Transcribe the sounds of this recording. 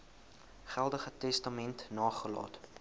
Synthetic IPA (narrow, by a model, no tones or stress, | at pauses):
χælˠdəχətɛstɑmɛntnɑːχəlɑ̰ːt